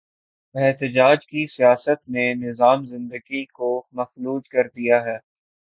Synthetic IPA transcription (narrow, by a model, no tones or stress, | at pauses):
ɛɦt̪əd͡ʒaːd͡ʒkisijaːsət̪nẽnɪzaːmzɪ̃nd̪əɡikomɐfluːd͡ʒkɐɾd̪ijaɦɛː